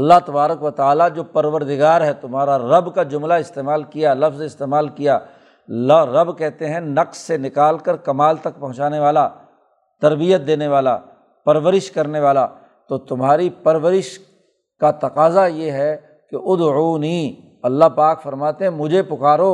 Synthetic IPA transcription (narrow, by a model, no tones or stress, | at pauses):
ɐlːaɦt̪ɐbaːɾəkʋət̪aːlad͡ʒoːpɐɾʋəɾd̪ɪɡaːɾɦɛt̪ʊmɦaːɾaɾɐbkad͡ʒʊmlaɪst̪eːmaːlkijalɐfzɪst̪eːmaːlkija | lɾɐbkɛɦt̪eɦɛ̃nɐqssenɪkaːlkəɾkɐmaːlt̪ɐk̚pɐ̃ɦʊ̃t͡ʃaːneʋaːla | t̪ɐɾbijət̪̚d̪eːneʋaːla | pɐɾʋəɾɪʃkɐɾneʋaːla | t̪oːt̪ʊmɦaːɾipɐɾʋəɾɪʃ | kat̪ɐqaːzajeɦɛ | keʊd̪uːnĩ | ɐlːaɦpaːkfɐɾmaːt̪eɦɛ̃mʊd͡ʒʱepʊkaːɾo